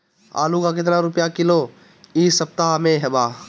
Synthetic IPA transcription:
a̰ːlukak̬ɪt̪̬naɾʊpjakɪlo | iːsɐp̚t̪aɦmẽɦɛɓaː

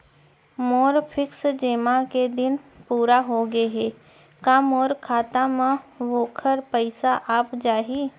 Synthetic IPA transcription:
moːɾpʰɪksd͡ʒeːmãked̪ɪnpuːɾaɦoɡeɦɛː | kamɔːɾkʰaːt̪amãʋoːkʰəɾpəɪsaʔaːpd͡ʒaːɦiː

